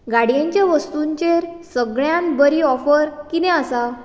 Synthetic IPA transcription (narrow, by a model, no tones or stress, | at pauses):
ɡaɽjãɲt͡ɕjaʋəst̪uɲt͡ɕeɾsəɡɭjãnbəɾiɔfəɾkinẽasa